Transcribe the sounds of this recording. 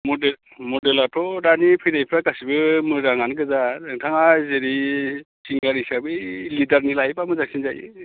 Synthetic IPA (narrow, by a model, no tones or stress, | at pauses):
mɔdel | mɔdelatʰɔɾanipʰɯjnajpʰɾakasibɯmɯdaŋanɡɯzaɾɯŋtʰaŋazeɾi | sʰiŋɡaɾisabɯlidaɾnilajpamɯzaksinzaj̰